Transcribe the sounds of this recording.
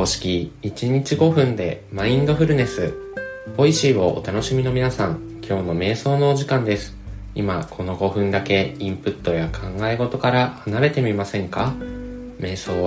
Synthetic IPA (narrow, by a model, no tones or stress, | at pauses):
oːɕi̥kʲiit͡ɕiɲ̟it͡ɕiɡo̞ɸɯ̟̃nd̪e̞maĩnd̪o̞ɸɯ̟ɾɯ̟ne̞sɨbo̞iɕiːɡo̞ʔo̰t̪ano̞ɕimʲino̞mʲinasãŋ | kʲʰo̞ːno̞me̞ːso̞ːnoːʑikãnd̪e̞sɨ̥ | imakʰo̞no̞ɡo̞ɸɯ̟̃nd̪ake̞ĩmpɯ̟t̪ːo̞jakʰãŋɡaeɡo̞t̪o̞kaɾahanaɾe̞t̪e̞mʲimasẽ̞ŋka | me̞ːso̞ː